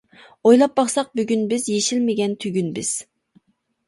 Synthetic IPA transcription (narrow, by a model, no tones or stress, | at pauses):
ojlˠɑp̚bɑχsɑq̚byɡʲynbɪzjeʃilmɪɡʲɛnt̪ʰyɡʲynbɪz̥